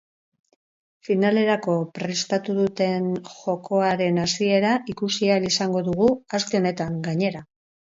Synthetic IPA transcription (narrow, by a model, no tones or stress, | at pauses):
finale̞ɾako̞pɾe̞st̪at̪uðut̪e̞nʝo̞ko̞aɾe̞nasie̞ɾaʔikusialisaŋɡo̞ðuɣ̞uaskeo̞ne̞t̪aŋɡaɲe̞ɾa